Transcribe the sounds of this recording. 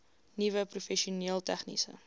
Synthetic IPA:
nivəprufɛʃiuniːəlˠtæχnḭsə̰

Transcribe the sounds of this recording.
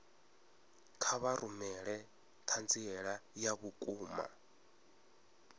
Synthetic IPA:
kʰaβaɾumɛɺɛ | tʰand͡ziɛɺajaβukʼuːma̰

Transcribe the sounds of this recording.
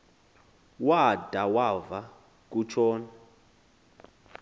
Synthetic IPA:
wad̥ʱawava | k̬ʼut͡ʃʰɔːna

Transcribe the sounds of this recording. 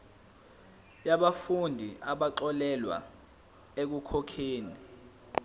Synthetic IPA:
jaɓafundʱiʔaɓaǁɔlɛlwa̰ | ek̬ukʰɔkʰeːni

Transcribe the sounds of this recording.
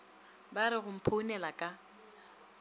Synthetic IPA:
baɾɪɣʊm̩pʰonɛlakʼa

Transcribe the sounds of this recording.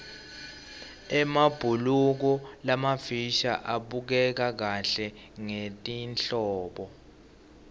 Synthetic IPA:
ɛmab̥ʱuluk̬ɔlamafiʃa̰ʔaɓuk̬ɛk̬ak̬aɬɛ | ŋetʼinɬɔːɓɔ

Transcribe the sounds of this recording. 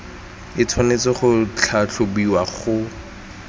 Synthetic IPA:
ɪt͡sʰwanet͡sɪχʊt͡ɬʰaɬʰʊbiwaχʊ

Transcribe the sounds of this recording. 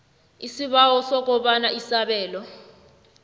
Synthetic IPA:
isiɓawɔsɔk̬ʼɔɓanaisaɓɛːlɔ

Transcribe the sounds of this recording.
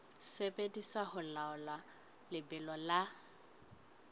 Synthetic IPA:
sepʼediswaɦʊlaʊla | lɪbɪlɔla

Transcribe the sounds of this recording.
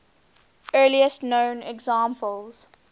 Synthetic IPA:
ɜːliəstnõʊ̃nɛɡzãːmpəlˠz̥

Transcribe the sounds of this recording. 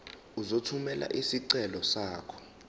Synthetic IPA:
uzotʰumɛlʔa̰ʔisiǀɛlɔsaːkʰɔ̥

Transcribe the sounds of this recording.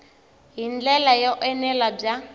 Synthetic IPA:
ɦind͡ɮɛlajɔʔɛnɛlab͡ʐa

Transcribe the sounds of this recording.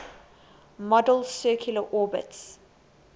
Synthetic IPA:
mɔdəlsɜːˑkʰjuləʔɔːbə̰ts

